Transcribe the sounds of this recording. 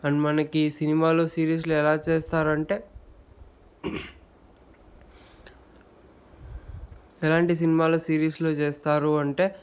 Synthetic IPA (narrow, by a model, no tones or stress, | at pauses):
ɐnmɐnɐkisinimaːloːsiːɾiːs̬luɛlaːt͡ʃeːst̪aːɾɐɳʈe̞ː | ɛlaːɳʈis̬inimaːloːsiːɾiːsloːt͡ʃeːst̪aːɾuɐɳʈe̞ː